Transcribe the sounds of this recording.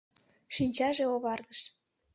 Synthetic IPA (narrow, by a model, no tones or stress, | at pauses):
ʃinʲt͡ɕɑʒeoβɑrd̪əʃ